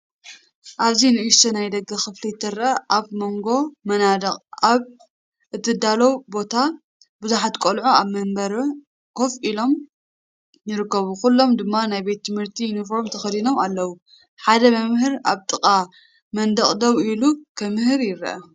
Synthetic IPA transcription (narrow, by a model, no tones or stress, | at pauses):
ʔaβzinɨʔist̪ɐnajd̪ɐɡɐxɨflit̪ʰːɐɾʔɐʔaβmo̞ŋɡo̞mɐnad̪ɐkʼaβ | ʔɨt̪ʰːɨd̪alɐwbo̞t̪ʰa | bɨzuħat̪kʼolʕuaβmɐmbɐɾ | kʰo̞filo̞m | jɪɾɨkːɐβukulːo̞md̪ɨmːanajbe̞t̪ʰːɨmhɨɾt̪ʰijunifo̞ɾmt̪ʰɐxɐd̪ino̞malːɐwu | ħad̪ɐmɐmhɨɾaβt̪ʼɨkʼa | mɐnd̪ɐχʼd̪ɐwilukʰɐmɨhɨɾjɪɾʔɐ̰